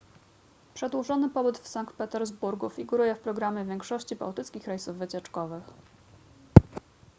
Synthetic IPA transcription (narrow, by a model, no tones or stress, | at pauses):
pʂɛd̪wuʐɔnɘpɔbɘt̪fsaŋkt̪̚pɛt̪ɛɾzbuɾɡufʲiɡuɾujɛfpɾɔɡɾamʲjɛvʲjɛŋkʂɔɕt͡ɕiba̰wt̪ɘt̪skʲixɾɛjsuvːɘt͡ɕɛt͡ʂkɔvɘx